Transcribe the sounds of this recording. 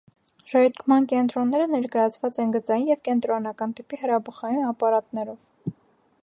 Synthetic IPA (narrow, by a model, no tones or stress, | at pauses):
ʒɔt̪kʰmɑnkɛnt̪ɾɔnːɛɾənɛɾkɑjɑt͡sʰvɑt͡sɛnɡət͡sɑjinjɛvkɛnt̪ɾɔnɑkɑnt̪ipihəɾɑbəχɑjinɑpɑɾɑt̪nɛɾɔv